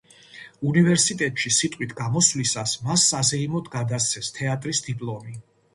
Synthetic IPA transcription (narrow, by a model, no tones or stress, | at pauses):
univɛɾsit̪ʼɛt̪ʼʃisit̪ʼwit̪ʰɡamɔslisasmasːazɛimɔd̪ɡad̪ast̪sʰɛst̪ʰɛat̪ʼɾisd̪ipʼlˠɔmi